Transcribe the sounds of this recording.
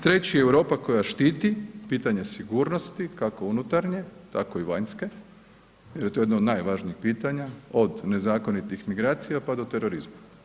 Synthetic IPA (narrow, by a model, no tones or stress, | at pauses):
t̪ɾe̞t͡ɕijeewɾo̞ːpako̞jaʃt̪iːt̪ipiːt̪aɲesiɡuːɾnost̪ikako̞unut̪aɾɲe̞t̪ako̞iʋaɲske̞ | jeɾjet̪ojenod̪najʋaʒniixpiːt̪aɲao̞d̪ne̞zaːko̞nit̪ixmiɡɾaːt̪sijapad̪o̞t̪e̞ɾo̞ɾizma